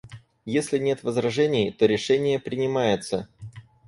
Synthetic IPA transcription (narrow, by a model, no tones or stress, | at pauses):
jesʲlʲɪnʲe̞t̪vəzɾɐʐɛnʲɪjt̪o̞ɾʲɪʂɛnʲɪjəpɾʲɪnʲɪmajɪt̪sə